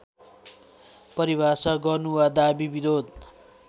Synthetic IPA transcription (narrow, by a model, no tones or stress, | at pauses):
pʌɾibasʌɡʌnuwad̪abibiɾod̪